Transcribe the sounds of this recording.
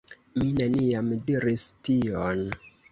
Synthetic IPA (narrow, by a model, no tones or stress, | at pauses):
minaniamdiɾistion